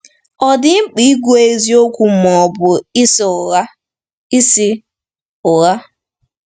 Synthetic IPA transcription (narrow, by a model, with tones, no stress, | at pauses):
ɔ˨dɪ˦ŋ͡m̩˦k͡pi˦i˦ɡʷu˦e˦zi˦o˦kʷu˦m̩ɔ˨bʊ˨i˦s | i˦si˦ | ʊ˨ɣa˦